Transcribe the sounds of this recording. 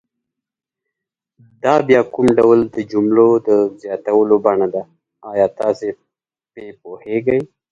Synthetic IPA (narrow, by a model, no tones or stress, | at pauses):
d̪ɑbjɑkumɖawld̪əd͡ʒumlod̪əzjɑt̪awəlobɑɳad̪a | ɑjɑt̪ɑse | pepoheɡaj